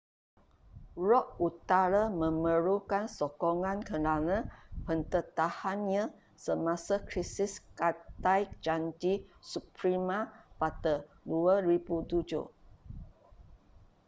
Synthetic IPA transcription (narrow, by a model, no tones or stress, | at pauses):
ɹɔʔut̪aɾamə̃məɾukansɔkɔŋãnkənanəpənt̪ət̪ahanɲa | səmasakɾisiskat̪ajk̚d͡ʒaɲd͡ʒisupɾimapat̪ə | duəɾibut̪ud͡ʒṵ